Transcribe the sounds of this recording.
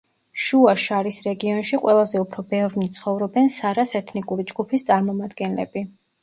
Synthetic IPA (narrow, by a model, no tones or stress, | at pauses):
ʃuaʃaɾisɾɛɡiɔnʃiqʼwɛlˠazɛupʰɾɔbɛvnit̪sʰχɔvɾɔbɛnsaɾasɛt̪ʰnikʼuɾid͡ʒɡupʰist̪sʼaɾmɔmad̪ɡɛnlɛ̰bi